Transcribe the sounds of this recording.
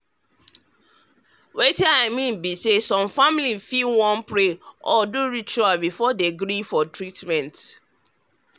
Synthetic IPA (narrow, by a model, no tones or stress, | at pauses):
wetɛaɪmĩnbisesɔ̃mfamilifilwɔ̃npɹeʔɔduɹit͡ʃualbifɔdeɡɾifɔtɹitmɛ̃nt